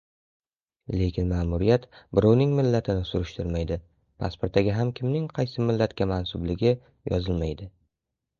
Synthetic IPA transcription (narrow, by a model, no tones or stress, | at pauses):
le̞kʲʰɪnmaːmʊɾijat̪bɪɾawnɪŋmɪlːat̪ʰɪnɪsʊɾʊʃt̪ʰɪɾmajd̪ɪ | pʰa̰spoɾt̪ːaɡʲaɦamkʲʰɪmnɪŋqʰɑjsɪmɪlːat̪kʲamansʊblɪɡʲɪ | jɒ̰zɪlmajd̪ɪ